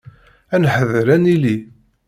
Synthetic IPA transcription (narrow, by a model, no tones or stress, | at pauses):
ænħəðɾænili